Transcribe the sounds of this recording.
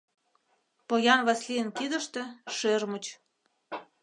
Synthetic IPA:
pojɑnβɑslijənkid̪ə̆ʃt̪ĕʃørmut͡ɕ

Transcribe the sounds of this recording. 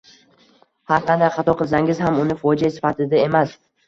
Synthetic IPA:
haɾqʰɑnd̪ajqʰɑt̪ʰɒqʰɨlˠsaŋɪzhamʊnɪfɒd͡ʒasɪ̥fat̪ʰɪd̪ae̞mas

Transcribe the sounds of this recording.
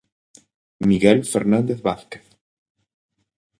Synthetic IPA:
miɣelfeɾnãnd̪eθβaθke̥θ

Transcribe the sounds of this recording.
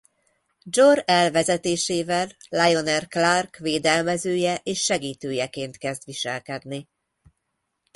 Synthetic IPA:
d͡ʒorɛlvɛzɛt̪eːʃeːvɛlːɑjo̞nɛrklarkveːd̪ɛlmɛzøːjɛʔeːʃːɛɡiːt̪øːjɛkeːnt̪kɛzd̪ʋiʃɛlkɛd̪ni

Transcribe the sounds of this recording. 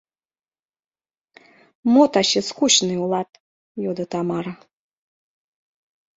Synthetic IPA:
mɔt̪aɕɛskuɕnɨulˠat̪̚ | jɔd̪ɐt̪amaɾɐ

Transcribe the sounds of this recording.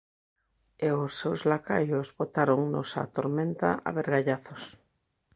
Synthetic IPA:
eosːewzlakajʊzβot̪aɾoŋnʊsa̰t̪oɾmẽnt̪a̰a̰βeɾɣaʎaθos

